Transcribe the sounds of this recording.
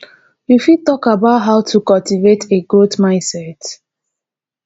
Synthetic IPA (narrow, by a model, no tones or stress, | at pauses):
jufitɔkabaʊtɦaʊtʰukɔltivetʰeɡoldmãɪ̃nsɛt